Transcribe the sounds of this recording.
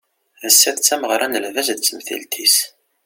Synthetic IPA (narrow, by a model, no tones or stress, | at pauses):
ðəsːæθt͡sːæməʁɾˤɑnəlvæzðt͡sːəmθḭlt̪ʰis